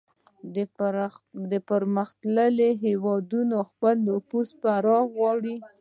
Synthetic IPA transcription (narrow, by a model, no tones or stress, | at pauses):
d̪əpəɾməxt̪ləleɦewɑd̪unoxpəlːofuspəaɾɑɣɣwɑɽi